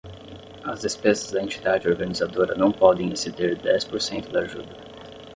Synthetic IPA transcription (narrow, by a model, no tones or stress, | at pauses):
ɐzd̪espezɐzd̪ɐẽnt͡ʃi̥d̪ad͡ʒɪoɾɡɐnizad̪oɾɐ̰nɐ̃w̃pɔd̪ẽj̃ĩsed̪eɾd̪ɛspoɾsẽnt̪ʊd̪aʒṵd̪ɐ